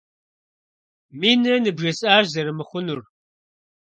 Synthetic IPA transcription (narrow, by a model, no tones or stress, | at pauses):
miːnɐnɨbʒɐsʼaːrzɐɾɨmɨχʷʊnur